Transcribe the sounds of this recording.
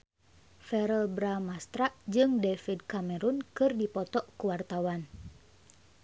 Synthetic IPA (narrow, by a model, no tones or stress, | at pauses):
fɛɾəlbɾamast̪ɾaʔd͡ʒɨŋdɛfid̚kamɛɾunkɨrdipɔt̪ɔʔkuwart̪awan